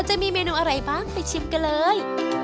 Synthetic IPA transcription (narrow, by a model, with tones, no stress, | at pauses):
wt͡ɕa˨ʔmiː˧meː˧nuː˧ʔa˧ɾa˧˩jbaː˥˩ŋpa˨˧˩t͡ɕʰi˧mka˧nlɤː˧j